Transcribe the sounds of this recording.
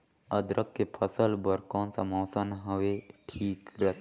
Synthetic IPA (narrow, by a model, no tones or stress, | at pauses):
əd̪ɾʔəkːepʰəsəlbəɾkõːnsamɔːsənɦəʋeʈʰiːkɾət̪ː